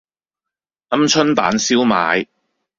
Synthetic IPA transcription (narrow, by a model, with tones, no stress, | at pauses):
ɐ˥mt͡ʃʰɵ˥npa̰ː˨˥nsiː˥wma̰ː˨˧j